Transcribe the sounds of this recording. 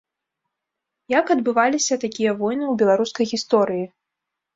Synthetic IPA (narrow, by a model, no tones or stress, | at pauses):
jakɐd̪bɨvalʲisʲɐt̪akʲijɐvɔjnɨwbʲɛlˠaɾuskɐjɣʲist̪ɔɾɨji